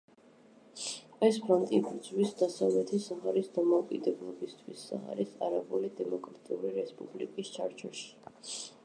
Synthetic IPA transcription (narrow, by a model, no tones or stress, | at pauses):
ɛspʰɾɔnt̪ʼibɾd̪zwisd̪asavlɛt̪ʰisaʁaɾisd̪amɔukʼid̪ɛblˠɔbist̪ʰwisːa̰a̰ɾisa̰ɾabulid̪ɛmɔkʼɾat̪ʼiuɾiɾɛspʼublḭkʼist͡ʃʰaɾt͡ʃʰɔʃi̥